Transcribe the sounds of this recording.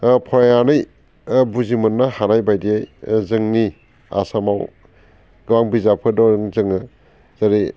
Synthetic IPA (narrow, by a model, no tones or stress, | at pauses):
pʰɔɾajanɯj | buzimɯnːahanajbajdiajzɯŋni | a̰samaw | ɡɯwaŋbizapʰɯdɔɾɯŋzɯŋɯ | zaɾi